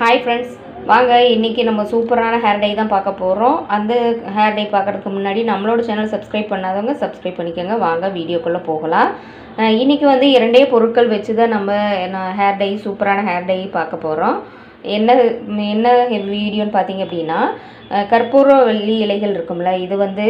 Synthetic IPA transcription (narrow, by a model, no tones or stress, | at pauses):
haːɪfɾɛɳɖs | ʋaːŋɡɐɪnːɪkːinɐmːɐsuːpɐɾaːnɐɦaːɾɖɐɪt̪ãːpaːɾkɐpːoːɾõːɐnd̪ɐɦaːɾɖɐɪpaːɾkɯɾɐðɯkːɯmʊnːaːɽinɐmːɐɭoːɽɯt͡ʃɛnːɐlsɐbskɾɐɪb̚pɐɳːaːðɐʋɐŋɡɐsɐbskɾɐɪb̚pɐɳːɪkːaːŋɡɐʋaːŋɡɐʋiːɽɪjoːkːɔɭːɐ̃poːɣɐlãː | ɪnːɪkʲːiʋɐnd̪ɯɪɾɐɳɖejɐpɔɾɯʈ̚kːɐɭʋɛt͡ʃːɯðaːnɐmːɐnãːɦaːɾɖɐɪsuːpɐɾaːnɐɦaːɾɖɐɪpaːɾkɐpːoːɾõː | ɛnːɐɛnːɐʋiːɽɪjoːnɯpaːɾt̪iːŋɡɐpːɐɽɪnːaː | kɐɾpoːɾoːʋɛɭːiɪlɐɪɣɐɭɪɾɯkːɯmɪlːɐɪðɯʋɐnd̪ɯ